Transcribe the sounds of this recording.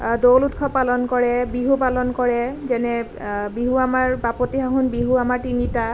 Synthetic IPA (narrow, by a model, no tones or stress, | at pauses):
dolutkʰɔpalɔnkɔɹɛbiɦupalɔnkɔɹɛzɛnɛ | biɦuamaɹbapɔtiɦaɦunbiɦuamaɹtinita